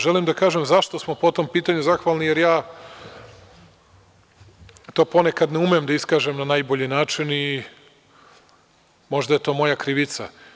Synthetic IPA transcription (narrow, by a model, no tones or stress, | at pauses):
ʒe̞limd̪akaːʒemzaʃt̪o̞smo̞pot̪ompiːt̪aɲuzaxʋaːlˠnijeɾjaː | t̪o̞ːpo̞nekad̪neumeemd̪aiskaːʒemnanaːjboʎinaːt͡ʃini | mo̞ʒd̪aje̞t̪o̞ːmo̞jakɾiʋit̪sa̰